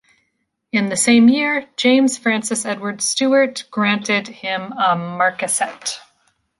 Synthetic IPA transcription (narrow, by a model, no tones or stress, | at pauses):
ɨ̃nðɨsẽɪ̃mjɪɹ̥d͡ʒẽɪ̃mz̥fɹæ̃nsɨsɛdwə˞d̥stʉə˞tɡ̥ɹæ̃ntɪd̚ɪ̃məmɑɹkɨsɛt